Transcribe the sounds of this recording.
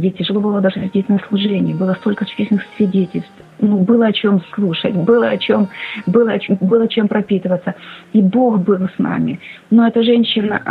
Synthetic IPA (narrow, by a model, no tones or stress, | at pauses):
dʲetʲːɪʐɨlˠo̞bɨlˠəd̪aʐɨsʲɪrdʲetʲnəslˠʊʐɛnʲɪjəbɨlˠəst̪o̞lʲkət͡ɕʊ̥esʲɪnɨxsʲvʲɪdʲetʲɪlʲst̪ | nubɨlˠəɐt͡ɕo̞mslˠuʂə̰tʲbɨlˠəɐt͡ɕombɨlˠəɐt͡ɕombɨlˠəɐt͡ɕe̞mpɾɐpʲit̪ɨvət̪sːəibo̞xbɨlˠsna̰mʲɪnoɛt̪əʐɛnʲɕːɪnə̰